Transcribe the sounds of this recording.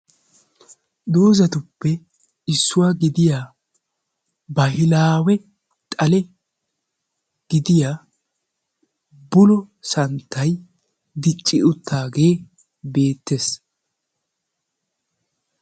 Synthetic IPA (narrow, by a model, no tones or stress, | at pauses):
d̪o̞ːzɐt̪ʊpːɛ | ɪsːʊwaːɡɪd̪ɪjaː | bɐhɪlaːwɛ | t̪ʼɐlɛ | ɡ̥ɪd̪ɪjaː | bʊlɔsɐnt̪ʰːɐj | d̪ɪt͡ʃʼːɪʔʊt̪ʰːaːɡe̞ː | be̞ːt̪ːeːs